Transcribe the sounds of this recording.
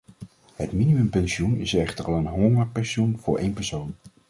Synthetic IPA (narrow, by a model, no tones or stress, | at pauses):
ɦətminimɵmpɛnʃunɪ̰sɛχtəɹɑlˠənɦɔŋəpɛnʃunvʊːɹʔejnpɛɹsown